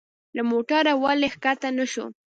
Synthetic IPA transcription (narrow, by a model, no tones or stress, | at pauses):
lamoʈaɾawalexkat̪anaʃo̰